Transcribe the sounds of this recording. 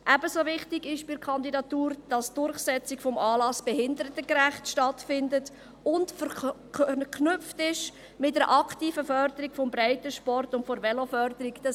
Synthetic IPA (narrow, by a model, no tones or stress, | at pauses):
ʔæbəsovɪχtɪɡɪʃb̥ɪɾkʰɑndidɑtuːɾd̥ɑsd̥ʊrχsɛt͡sɪkfɔmɑːlɑsb̥ɛhɪndəɾətəkɾæχtʃtɑtfɪndət | ʊntfə | kʰnʏp͡ftɪʃ | mɪtdəɾʔɑktiːfəfœɾdəɾikfɔmbɾaɪtəʃpɔrtʊntfɔɾvɛlofœɾd̥əɾikd̥ɑ